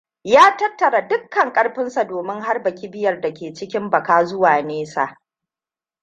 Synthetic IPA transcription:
jaː˦tɐ˦tːɐ˨ɾa˨dʊ˦kːɐ˨ŋkʼɐ˦ɽɸɪ˦nsa˨doː˨mɪ˦ŋɦa˦rbɐ˨kʲi˦bɪ˦jɐ˨rda˨kʲeː˨t͡ʃɪ˦kʲɪ˦mbɐ˨kaː˦zʊ˦waː˨neː˦sa̰˨ʔ

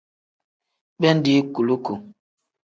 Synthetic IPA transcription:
bɛ˦n̩˦di˦ku˨lu˦ku˨

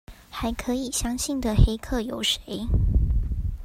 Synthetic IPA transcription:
xa˨˥ɪkʰɤ˧˦i˨˩ɕjɑ˥ŋɕi˥˩nd̪ə˨xe˥ɪkʰɤ˥˩jo˨˩ʊʂe˧˦ɪ

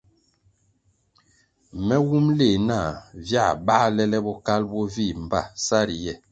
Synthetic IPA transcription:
mɛ˦wu˦mle˨na˦˨vja˦˨ba˦lɛ˦lɛ˦bɔ˦ka˦lbɔ˦vi˦˨m˨ba˦˨sa˦ɾi˨jɛ˦˨

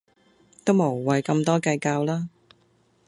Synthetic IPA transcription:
t̪o˥wmo˨˩wwɐ˨jkɐ˧mt̪ɔː˥kɐ˧jkaː˧wlaː˥

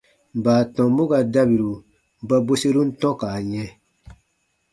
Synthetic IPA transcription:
baː˨tɔ̃˨mu˦ɡa˨da˦bi˨ɾu˨ | ba˦bo˦se˦ɾu˦n̩˦tɔ̃˦ka˨ɲɛ̃˧

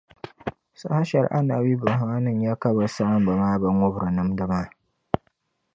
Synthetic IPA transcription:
sa̰˦ha˦ʃɛ˨ɾʔa˦na̰˨wi˦ba˨ɦa˨ŋa˦nɨ˦ŋ˦ja˦ka˦ba˨sa˦ʔa˦mba˨maː˦bɐ˦ŋʷʊ˦bɾɨ˨nɨ˦mdɨ˦ma˦˨

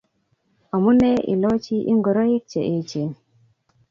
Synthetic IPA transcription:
a˨mu˦ne˦ʔḭ˨lo˦t͡ʃi˦ʔḭ˦ŋɡu˨ɾo˦je˦k̚t͡ʃḛ˨ʔe˦t͡ʃe˨

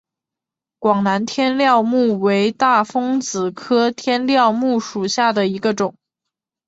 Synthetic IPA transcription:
kwɑ˨˩ŋna˧˥nt̪ʰjɛ˥nljɑ˥˧ʊmu˥˩we˧˥ɪt̪a˥˩fɤ˥ŋt͡sɹ̩˨˩kʰɤ˥t̪ʰjɛ˥nljɑ˥˧ʊmu˥˩ʂu˨˩ɕja˥˩d̪ə˩i˧˥ɡə˧ʈ͡ʂʊ˨˩˦ŋ

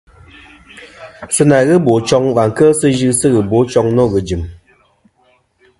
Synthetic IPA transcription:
sɨ˦na˨ɣɨ˦bo˨t͡ʃɔ˦ŋva˨ŋ̩˨kə˦sɨ˦ʒɨ˦sɨ˦ɣɨ˨bo˨˦t͡ʃɔ˧ŋnɔ˦˨ɣɨ˨d͡ʒi˨m

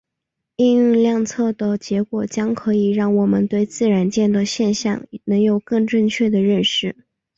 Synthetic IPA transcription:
i˥˧ŋyy˥˧nljɑ˥˧ŋt͡sʰɤ˥˩t̪ə˩t͡ɕjɛ˧˥kwɔ˨˩t͡ɕjɑ˥ŋkʰɤ˧˥i˨˩ɻɑ˥˩ŋwɔ˨˩mə˧˦nt̪we˥˧ɪt͡sɹ̩˥˩ɻa˧˥nt͡ɕjɛ˥˧nd̪ə˨˩ɕjɛ˥˧nɕjɑ̰˥˩ŋnɤ˧˥ŋjo˨˩ʊkɤ˥˧ŋʈ͡ʂɤ˥˧ŋt͡ɕʰɥɛ˥˩d̪ə˩ɻə˥˧nʂɻ̩˥˩

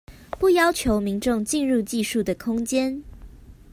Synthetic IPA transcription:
pu˥˨˩jɑ˥ʊt͡ɕʰjo˨˦ʊmi˨˦ŋʈ͡ʂʊ˥˨ŋt͡ɕi˥˧nɻu˥˧t͡ɕi˥˧ʂu˥˩d̪ə˩kʰʊ˥ŋt͡ɕjɛ˦n

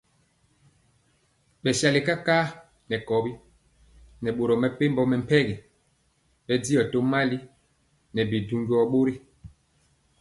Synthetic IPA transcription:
ɓɛ˨sa˨li˨ka˦kaː˦ | nɛ˨kɔ˨bi˦ | nɛ˨ɓo˨ɾɔ˨mɛ˨pe˦mbɔ˨mɛ˨m̩˨pɛ˦ɡi˨ | ɓɛ˦di˦ɔ˨to˦ma˦li˦ | nɛ˨bi˨du˨ŋɡi˨˦ɔ˨ɓo˦ɾi˦

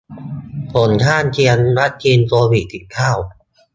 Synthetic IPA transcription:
pʰo˩˦nkʰaː˥˩nt͡ɕʰi˧ənɾa˦˥t̪̚kʰiː˧nsu˧ɐwi˨˩t̪ʰi˨˩ŋkʰaː˥˩w

